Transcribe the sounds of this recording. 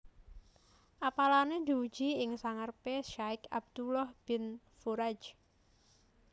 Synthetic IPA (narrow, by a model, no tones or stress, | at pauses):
ʔapalaned̪i̤u̥d͡ʒ̥iɪŋsaŋərpeʃaɪkab̚d̪̥ulɔhb̥ɪn | fuɾad͡ʒ